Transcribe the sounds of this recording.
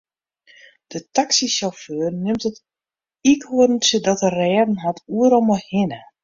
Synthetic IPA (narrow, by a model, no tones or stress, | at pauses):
d̥ətaksisjaføːərnɪmtət | ikhuədn̩sjədɔtərɛːdn̩ɦatʰuəɾɔmɔhɪnə